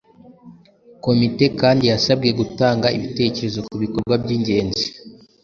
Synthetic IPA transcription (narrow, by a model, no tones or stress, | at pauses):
ko̞mite̞kaːndijasabɡe̞ɡutaːŋɡaiβite̞ce̞ɾe̞zo̞kuβiko̞ɾɡwabɟiːɲɟe̞ːnzi